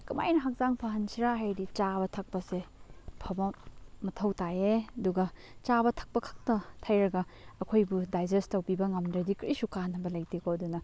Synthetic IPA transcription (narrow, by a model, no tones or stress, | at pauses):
kɐma̰jnɐɦak̚zaŋpʰaɦɐnsʰiɾaɦajdit͡ʃabɐtʰɐk̚pɐsepʰɐbɐmɐtʰɐwtajeɐduɡɐ | t͡ʃabɐtʰɐ̥k̚pɐkʰḁk̚tɐtʰajɾɐɡɐːkʰojbudajd͡ʒestɐwbibɐŋɐmdɾɐdikɾisukanɐbɐlɐjtikoɐdunɐ